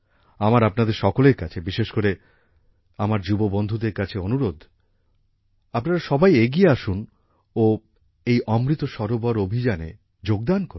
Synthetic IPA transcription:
amaɾapnad̪eɾʃɔkoleɾkat͡ɕʰebiʃeʃkoɾe | amaɾd͡ʑubobond̪ʱud̪eɾkat͡ɕʰeonuɾod̪ʱ | apnaɾaʃɔbajeɡieaʃun | o | ejʔɔmɾit̪oʃɔɾobɔɾobʱid͡ʑanḛ | d͡ʑoɡ̚d̪ankoɾu

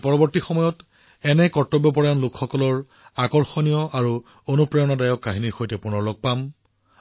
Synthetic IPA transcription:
pɔɹɔbɔɹtixɔmɔjɔt | ɛnɛkɔɹtːɔbjɔp̬ɔɹajanlʊkxɔkɔlɔɹ | akɔɹxɔnijɔʔaɹu | onupɹɛjɔnɔdajɔkːaɦiniɹxojtɛpʊɹnɔɹlɔɡ̚pam

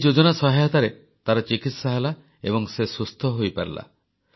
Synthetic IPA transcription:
d͡ʒod͡ʒɔnasɔɦajɔt̪aɾe | t̪aɾɔt͡ʃikit̪saɦela | ebɔŋsesust̪ʰɔɦojpaɾla̰

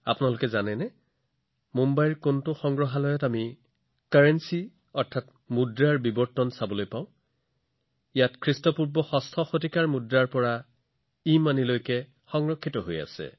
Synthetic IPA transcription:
a̰pʊnalʊkɛzanɛnɛ | mumbajɹkontʊxɔŋɡɹɔɦalɔjɔtami | kaɹensi | ɔɹtʰat | mudɹaɹbibɔɹtɔnsabɔlojpãʊ̃ | ijatkʰɹistɔpuɹbɔxɔstʰɔxotikaɹmudɹaɹpɔɹa | imanilojkɛ | xɔŋɹɔkʰːitɔɦoja̰sɛ̰

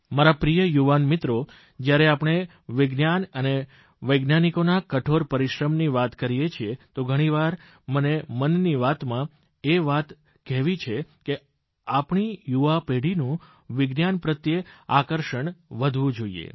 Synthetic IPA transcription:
maɾapɾijəjuʋanmɪt̪ɾo | d͡ʒjaɾeapɽ̃e | ʋɪɡnjanəne | ʋəjɡnjanikonakəʈʰoɾpəɾiʃɾəmniʋat̪kəɾijet͡ʃʰiet̪oɡʱəɽ̃iʋaɾ | mənemənːiʋat̪mã | eʋat̪ | kɛɦʋit͡ʃʰeke | apɳijuʋapeɽinũ | ʋɪɡnjanpɾət̪jəakəɾʃəɳʋəd̪ʱʋũd͡ʒoiḛ

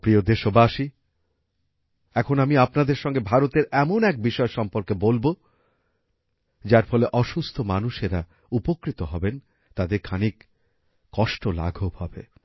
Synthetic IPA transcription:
pɾiod̪eʃobaʃi | ɛkʰonamiapnad̪eɾʃɔŋɡebʱaɾot̪eɾɛmonɛk̚biʃɔeʃɔmpoɾkebolbo | d͡ʑaɾfɔleʔɔʃust̪ʰomanuʃeɾa | upokɾit̪oɦɔben | t̪ad̪eɾkʰanik | kɔʃʈola̰ɡʱobhɔbe

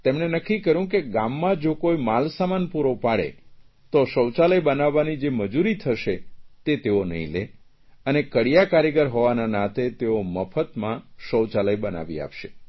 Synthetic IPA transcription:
t̪emnenəkʰːikəɾjũk̬eɡamːãd͡ʒokoimalsamanpuɾopaɽḛ | t̪oʃəwt͡ʃaləjbənaʋːanid͡ʒeməd͡ʒuɾit̪ʰəʃet̪et̪eonə̰ɦḭ̃lḛ | ənekəɽijakaɾeɡəɾɦoʋananãt̪et̪eoməfʰət̪mãʃəwt͡ʃaləjbəna̰ʋḭa̰pʃḛ

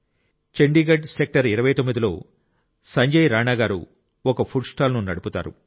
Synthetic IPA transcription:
t͡ʃeɳɖiːɡɐɖsek̚ʈɐɾiɾɐʋɐjt̪omːid̪ilo̞̰ː | sɐɲd͡ʒɐjɾaːnaːɡaːɾṵ | ɔkɐpʰuʈsʈaːlnunɐɽuput̪a̰ːɾṵ

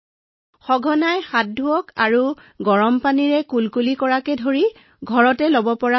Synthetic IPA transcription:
xɔɡʱɔnajxat̚dʱuɔkaɹu | ɡɔɹɔmpaniɹɛkulkulikɔɹakɛdʱoɹi | ɡʱɔɹɔtɛlobɔpɔɹa

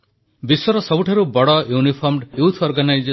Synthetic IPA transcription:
biswɔɾɔsɔbuʈʰaɾubɔɽɔjunipʰɔɾmɖjut̪ʰɔɾɡanajd͡ʒ

